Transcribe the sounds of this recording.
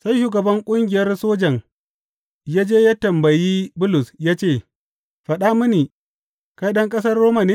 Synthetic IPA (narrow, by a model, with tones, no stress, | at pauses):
sa˦jʃuː˨ɡɐ˨bɐ˦ŋkʷʼʊ˦ŋɡʲɪ˨jɐ˦rsoː˦d͡ʒɐ˨ŋ | jaː˦d͡ʒeː˦jaː˦tɐ˨mbɐ˨jiː˦bʊ˦lʊ˨sjaː˦t͡ʃeː˦˨ | ɸɐ˨ɗa˦mɪ˦ni˨ | ka˦jɗɐ˦ŋkʼɐ˦s̬ɐ˦rːoː˦ma˨ni˦